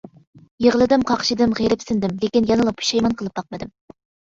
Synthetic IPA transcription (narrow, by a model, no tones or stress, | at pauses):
jeʁəlˠɨd̪ɪmqʰɑqʃɪd̪ɪmʁeɾɪpsɪnd̪ɪmlekʲinjɑnɨlˠɑpʰu̥ʃɑjmɑnqʰəlˠɨp̚bɑq̚mɨd̪ɨm